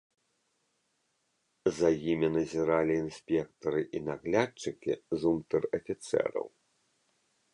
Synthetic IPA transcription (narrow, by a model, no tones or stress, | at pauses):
zajimʲinɐzʲiɾalʲiːnsʲpʲɛkt̪ɐɾɨʔinaɣlʲat͡ʂɨkʲizumt̪ɐrɐfʲit̪sɛ̰ɾɐ̰w